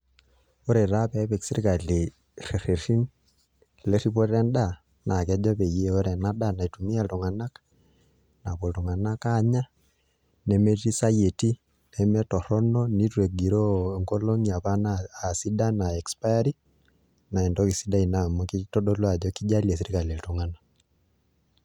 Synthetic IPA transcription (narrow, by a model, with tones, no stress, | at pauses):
o˦ɾɛ˨ɾa˦pɛ˨˦pɛ˨ksi˦ɾi˦ka˨li˨ | re˨ɾe˨ɾi˦n | lɛ˦ɾi˦pɔ˦ɾɛ˦nɗa˦˨ | na˨kɛ˦d͡ʒɔ˦pe˨je˦o˦ɾɛ˨na˦da˦na˨i˨tu˨mi˦a˦˨ltu˨ŋa˨na˦k | na˨ko˨tu˨ŋa˨na˦ka˦˨ɲa˦ | nɛ˦mɛ˦ti˦sa˦je˨ti˦ | nɛ˦mɛ˦tɔ˨ɾɔ˦nɔ˦ni˦tuwe˨ɡi˨ɾɔ˦˨ŋɡɔ˦lɔ˦ŋia˨pa˦naː˨si˦da˦na˨ɛ˨kspa˦ja˦ɾi˦ | na˨ɛ˨ndɔ˦ki˨si˦da˦i˨na˨mɔ˦ki˦tɔ˦ɗɔ˦lwa˨d͡ʒɔ˦ki˦d͡ʒa˦li˦ɛ˨s̬i˨ɾi˦ka˨lɛ˨ltɔ˨ŋa˦na